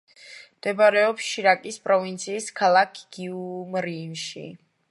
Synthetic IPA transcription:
md̪̥ɛbɾɛɔpsʃiɾakʼispʼɾɔvint̪sʰiːskʰalˠakʰɡ̥iumɾinʃḭ

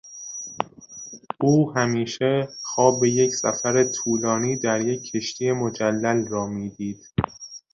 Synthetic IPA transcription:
ʔuːhæmiːʃe̞xɒːbe̞jecsæ̰fæɾet̪ʰuːlɒːniːd̪æɾje̞cʰːe̞ʃt̪ʰiːje̞mo̞d͡ʒælːælrɒːmiːd̪iːd̪̥

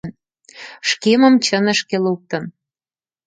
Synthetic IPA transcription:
n | ʃkemə̆mt͡ɕənə̆ʃkeluk̚t̪ə̆n

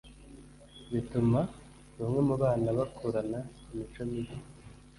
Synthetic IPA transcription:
βituma | βamŋe̞muβaːnaβakʰoɾana | imit͡ʃomiɾi

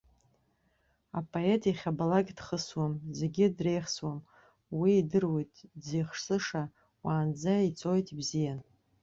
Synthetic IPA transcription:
apʼʰoe̞tʰʼiχʲabalakʲdχəswamze̞ɡʲɪdre̞jχswam | wiːdɨrwjtʼzijχʂsɨʂa | waːnd͡zait͡sʼo̞jtʼibzijan

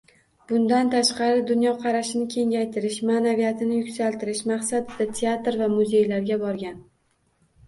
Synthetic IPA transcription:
b̥ʊnd̪ant̪ʰaʃqɑɾɪd̪ʊnjɒqʰɑɾaʃɪnɪkʲʰe̞ŋɡʲajt̪ʰɪɾɪʃmanavijat̪ʰɪnɪjʊkʲsalˠt̪ʰɪɾɪʃmɑqsad̪ɪd̪at̪ʰeat̪ɾvamʊze̞jlaɾɡʲabɒɾɡʲan

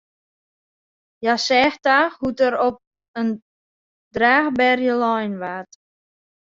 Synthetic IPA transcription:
jasɛxtahutəɾɔp̚ | ən | draːxbɛrjəlɔjnʋat

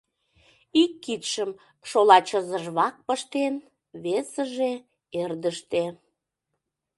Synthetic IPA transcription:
ikːit̪ʃəm | ʃolɑt͡ɕəzəʒβɑk̚pəʃt̪en | βesəʒe | erd̪əʃt̪e

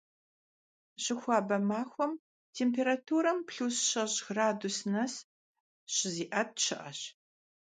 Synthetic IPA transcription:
ɕɪxʷɑːbɐmaːxʷɔm | tʰeːmpʰeːɾatʰuːɾɐmpɬuːsɕɐʑxraːdusnɐs | ɕɪziːʔɐp̚ʃʰɪʔɐɕ

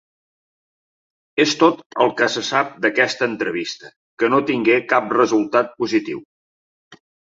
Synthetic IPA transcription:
est̪ot̪əlˠkəsəsap̚d̪əkɛst̪əːnt̪ɾəβist̪ə | kənot̪iŋɡekap̚rəzulˠt̪at̪̚puzit̪ḭw

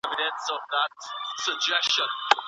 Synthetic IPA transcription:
vɪɾɨ̃nsʌvðət̚səd͡ʒɛsʃə̃n

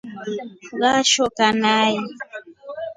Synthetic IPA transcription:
ɣaʃɔkanai

